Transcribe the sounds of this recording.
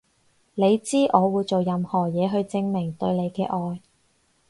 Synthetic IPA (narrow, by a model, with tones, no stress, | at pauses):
le˨˧jt͡siː˥ʔɔː˨˧wuː˨˧jt͡so˨wjɐ˨˧mhɔː˨˩jɛː˨˧ɦɵ˧ɥt͡sɪ˧ŋmɪ˨˩ŋt̪ɵ˧ɥle˨˧jkɛː˧ʔɔː˧j